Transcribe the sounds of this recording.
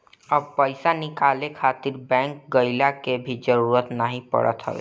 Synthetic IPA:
əb̚pəɪsanɪkaːlekʰaːt̪ɪɾbɛ̃ːŋk̚ɡəɪlakebʱid͡ʒəɾuːɾət̪nəɦĩpə̰ɽə̰t̪ɦə̰e

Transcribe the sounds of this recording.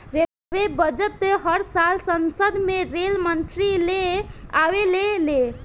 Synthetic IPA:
ɾe | bebəd͡ʒət̪ːeɦəɾsalsənsəd̪ʱmeɾelmənt̪ɾileaʋelele

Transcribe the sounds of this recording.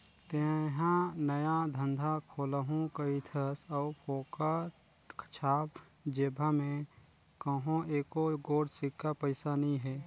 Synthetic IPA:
t̪eɦãnəjad̪ʱənd̪ʱakʰoːləɦũkəit̪ʰəsəpʰoːka | kʰə̥t͡ʃʰaːb | d͡ʒeːbʱamẽ | kəɦõeːkoɡoːɽsɪkːapəɪsanɐĩɦɛː

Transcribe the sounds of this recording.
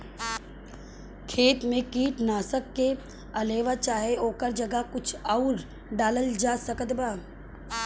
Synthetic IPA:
kʰeːt̪mẽkiːʈnaːsəkːe | ɐleːʋat͡ʃaːɦeoːkəɾd͡ʒɐɡəkʊt͡ʃʰaʊɾ | ɖaːləld͡ʒaːsəkət̪baː

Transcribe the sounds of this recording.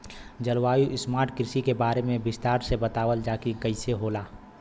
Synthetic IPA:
d͡ʒɐlʋaːjuʔɪsmaːɾʈkɾɪsikebaːɾemẽbɪst̪aːɾsebɐt̪aːʋəld͡ʒaːkikɐɪseɦoːlaː

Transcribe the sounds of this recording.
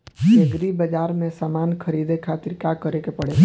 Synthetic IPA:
eɡɾibəd͡ʒaːɾmẽsamaːnkʰəɾid̪ekʰat̪ɪɾkakəɾekepəɽe

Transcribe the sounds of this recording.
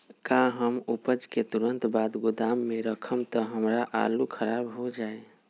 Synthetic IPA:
kãɦəmupəd͡ʒket̪uɾənt̪bad̪ɡud̪amːeɾəkʰəmt̪əɦəmɾaʔa̰lukʰəɾabɦod͡ʒae

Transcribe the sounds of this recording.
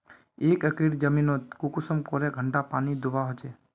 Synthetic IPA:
ekəkɾiɾd͡ʒəminot̪kukusəmkoɾeɡʱəɳʈapaːnid̪ubaɦot͡ʃe

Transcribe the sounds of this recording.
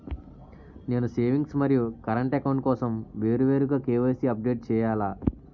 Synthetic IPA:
ne̞ːnuseːʋiŋɡsmɐɾjukɐɾɐɳʈɛkɐwɳʈkɔːsɐmʋe̞ːɾuʋe̞ːɾuɡaːkeːʋɐsiɐp̚ɖe̞ːʈ̚t͡ʃɛːjaːlaː

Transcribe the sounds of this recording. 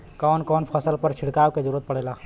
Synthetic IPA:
kɔnkɔnpʰəsəlpəɾt͡ʃʰiɽkawked͡ʒəɾuɾət̪̚pəɽɛla

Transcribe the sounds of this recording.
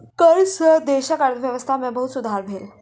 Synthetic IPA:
kəɭsəd̪eɕakaɽəd̪ʋjəʋəst̪ʰamɛbəɦut̪sud̪ʱaɾbʱel

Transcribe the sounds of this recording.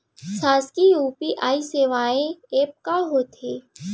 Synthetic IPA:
saːskijuːpiʔaːiseːʋaːẽeːp̚kaɦoːt̪ʰeː

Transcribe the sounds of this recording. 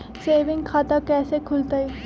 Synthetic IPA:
seːʋɪ̃ŋɡkʰaːt̪akɛːsekʰʊlt̪aɛ

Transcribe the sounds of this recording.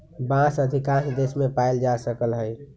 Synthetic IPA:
bãsəd̪ʱikãnd̪esmepaeld͡ʒasəkəlɦəj

